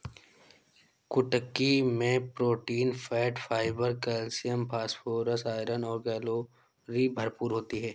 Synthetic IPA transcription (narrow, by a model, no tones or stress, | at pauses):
kʊʈəkːimẽpɾoːʈiːnfʰɛːʈfaːɪbəɾkɛlsijəmpʰaːspoːɾəsaːɪɾənɔːɾɡɛːlo | ɾibʱɐɾpuːɾɦoːt̪iɦɛː